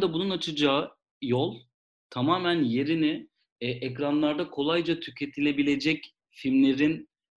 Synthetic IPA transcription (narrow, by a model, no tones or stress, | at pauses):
d̪ɛbununat͡ʃʰɯd͡ʒaːɯ | jolˠ | t̪ʰamaːmænje̞ɾiniɪ | ʔɛcɾanlˠaɾd̪akʰo̞lˠajd͡ʒat̪ʰycʰe̞t̪ʰilʲe̞bilʲe̞d͡ʒɛc | fimlʲe̞ɾin